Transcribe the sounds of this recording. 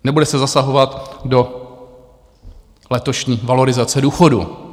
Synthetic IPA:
nɛbudɛsɛzasaɦo̞vat̪do̞ | lɛt̪o̞ʃɲiːvalo̞ɾɪzat͡sɛduːxo̞dṵ

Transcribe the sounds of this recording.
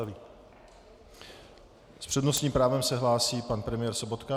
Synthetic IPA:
vi | spr̝̥ɛd̪nosɲiːmpɾaːvɛmsɛɦlaːsiːpanpɾɛmɪjɛːɾso̞bot̪ka

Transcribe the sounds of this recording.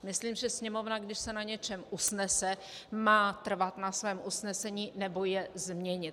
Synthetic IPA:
mɪsliːmʒɛsɲɛmo̞vnaɡdɪʃsɛnaɲɛt͡ʃɛmʔusnɛsɛ | maːt̪r̩vat̪nasvɛːmʔusnɛsɛɲiːnɛbojɛzmɲɛɲɪt̪

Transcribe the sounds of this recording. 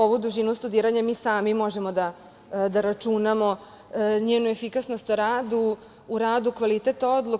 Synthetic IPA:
oʋod̪uʒinlost̪ud̪iːɾaɲamiːsaːmimo̞ʒe̞mo̞d̪a | d̪aɾat͡ʂunamo̞ | ɲeːnuefikasnost̪oɾaːd̪uː | ɾaːd̪ukʋalit̪et̪od̪lˠu

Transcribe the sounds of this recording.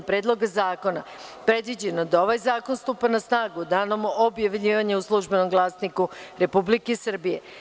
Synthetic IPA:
pɾeːd̪lˠo̞ɡazaːko̞na | pɾe̞d̪ʋid͡ʑenod̪ao̞ʋajzaːko̞nst̪uːpanasnaːɡud̪aːnomobjaʋʎiːʋaɲeuslˠuʒbe̞no̞mɡlˠaːsnikuɾe̞publikesr̩bije̞̰

